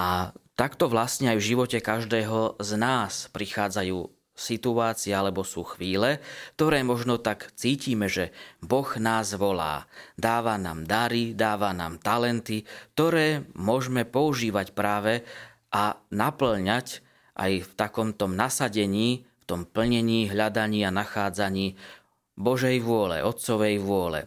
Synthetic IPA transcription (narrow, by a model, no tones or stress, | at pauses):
ʔat̪akt̪ɔʋlast̪ɲɛajvʒiʋɔcɛkaʒd̪ɛːɦɔznaːspɾixaːd͡zajuː | sit̪uaːt͡siɪɛalɛbɔsuːxʋiːlɛk̚t̪ɔɾɛːmɔʒnɔt̪akt͡siːciːmɛʒɛbɔɣnaːzʋɔla̰ːd̪aːʋana̰ːmd̪aɾid̪aːʋana̰ːmt̪alɛnt̪ik̚t̪ɔɾɛːmʊɔʒmɛpɔuʒiːʋacpɾaːʋɛ | ʔanapl̩ɲac | ʔa̰jft̪akɔmt̪ɔmnasaɟɛɲiːft̪ɔmpl̩ɲɛɲiːɦʎad̪aɲiːanaxaːd͡zaɲiː | bɔʒɛjʋʊɔlɛ̰ʔɔt̪sɔʋɛjʋʊɔlɛ̰